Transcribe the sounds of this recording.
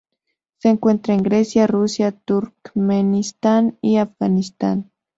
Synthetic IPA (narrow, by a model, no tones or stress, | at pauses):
seːŋkwe̞nt̪ɾaeŋɡɾesjarusjat̪uɾkmenist̪aniafɡanist̪a̰n